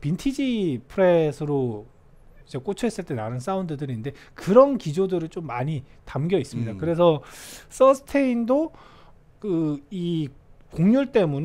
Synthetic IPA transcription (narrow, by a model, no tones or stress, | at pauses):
pintʰid͡ʑipʰɯɾesʰɯɾo | id͡ʑe̞k͈ot͡ɕʰʌɦes͈ɯɭt͈e̞nanɯns͈aundɯdɯɾinnde̞ | kɯɾʌnkid͡ʑodɯɾɯɭt͡ɕ͈omːaɲitamɡjʌis͈ɯmɲidakɯɾe̞sʰʌs͈ʌsʰɯ̥tʰeindo | kɯikoŋɲuɭt͈e̞mun